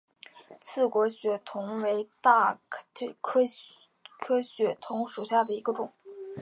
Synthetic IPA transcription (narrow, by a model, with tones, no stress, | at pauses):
t͡sʰɹ̩˥˩kwɔ˧˥ɕɥɛ˧˥t̪ʰʊ˧˥ŋwe˧˥ɪt̪a˥˩˥ | kʰɤ˥ | kʰɤ˥ɕɥɛ˧˥t̪ʰʊ˧˥ŋʂu˨˩ɕja˥˩d̪ə˩i˧˥ɡə˧ʈ͡ʂʊ˨˩˦ŋ